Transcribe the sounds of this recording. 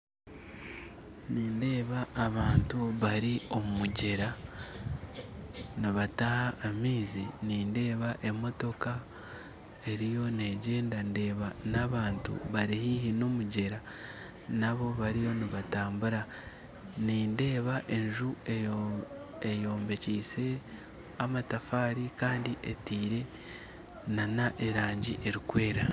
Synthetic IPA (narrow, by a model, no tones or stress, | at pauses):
niːnde̞ːβaːβaːntuβaɾio̞mumuɟe̞ɾa | niβatahaʔːmiːziniːnde̞ːβaʔe̞mo̞to̞ka | e̞ɾijo̞ne̞ɟe̞ːndande̞ːβanaβaːntṵβaɾihiːhino̞muɟe̞ɾa | naβo̞βaɾijo̞niβataːmbuɾa | niːnde̞ːβaʔe̞ɲʒue | ejo̞ːmbe̞ciːse̞ | amatafaːɾikaːndiʔḛtiːɾe̞ | nanaʔe̞ɾaːɲɟiʔe̞ɾikwe̞ːɾa